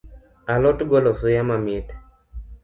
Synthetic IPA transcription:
alɔtɡɔlɔsʊjamamɪt

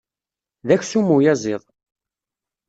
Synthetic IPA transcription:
ðæçsumujæzˤɪðˤ

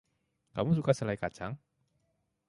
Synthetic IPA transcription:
kamus̬ukasəlajkat͡ʃaŋ

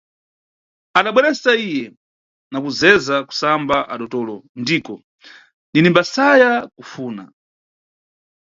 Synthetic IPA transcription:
aɗaɓwɛɾɛsaijɛ | nakuzɛzaku̥sambaʔaɗɔtɔːlɔndiːkɔ | ninimbasajakufuːna̰

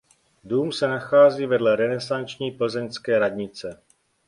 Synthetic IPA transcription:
duːmsɛnaxaːziːvɛdlɛɾɛnɛsant͡ʃɲiːpl̩zɛɲskɛːɾadɲɪt͡sɛ

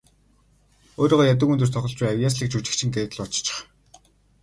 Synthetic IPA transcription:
oːɾiːʁɔːjat̪̬ʊ̆kɵnt̪ɵ̆r̥t̪ʰɔχɞ̆ɮt͡ɕpæːŋawʲjaːs̬ɮiːk̚t͡ɕʰut͡ɕɪ̆kt͡ɕʰɪ̆ŋɡeːt̪̆ɮɔt͡ɕt͡ɕʰɪ̥̆χ

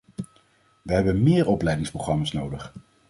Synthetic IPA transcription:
ʋəɦɛbənmɪːɹɔplɛjdɪŋsproχrɑmaːsnowdəχ

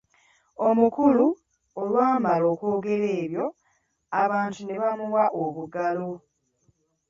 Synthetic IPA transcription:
o̞mukulu | olwaːmalo̞ːko̞ːɡe̞ɾe̞ːβjo̞ | aβaːntune̞βamuwaʔoβuɡalo̞

